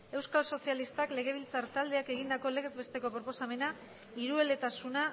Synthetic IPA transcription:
e̞wskalso̞sialist̪akle̞ɣe̞β̞ilt͡saɾt̪ald̪e̞ake̞ɣind̪ako̞leɣk̚be̞st̪e̞ko̞pɾo̞po̞same̞na | iɾue̞le̞t̪asuna

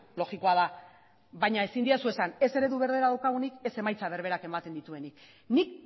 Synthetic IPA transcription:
lo̞ɣikoaða | βajɲae̞sind̪iasue̞sane̞se̞ɾe̞ðuβe̞ɾðe̞ɾaðawkaɣ̞unike̞se̞majt͡saβ̞e̞ɾβe̞ɾake̞mat̪e̞nd̪it̪ue̞nik | nik

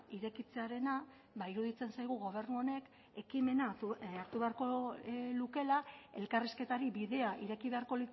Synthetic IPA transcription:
iɾe̞kit͡se̞aɾe̞na | βaiɾuð̞it͡se̞nsajɣ̞uɣ̞o̞β̞e̞ɾnuo̞ne̞k | e̞kime̞naaɾt̪uβe̞aɾko̞luke̞lae̞lkariske̞t̪aɾiβiðe̞aʔiɾe̞kiβe̞aɾko̞li

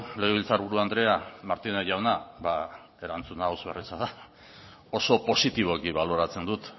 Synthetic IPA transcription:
le̞ɣ̞eβilt͡saɾβuɾuand̪ɾe̞amaɾt̪ineʝawnaβa | e̞ɾant͡sunaozβe̞risaða | o̞so̞po̞sit̪iβ̞o̞ekiβalo̞ɾat͡se̞nd̪ut̪

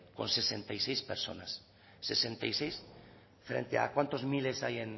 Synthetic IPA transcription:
ko̞̰nsesent̪ajsejspeɾso̞̰nasː | e̞sent̪ajsejs | fɾḛnt̪ea̰kwant̪ozmile̞sajen

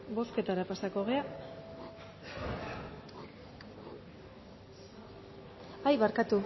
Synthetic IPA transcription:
bo̞ske̞t̪aɾapasako̞ɣ̞e̞a | ajβaɾkat̪u

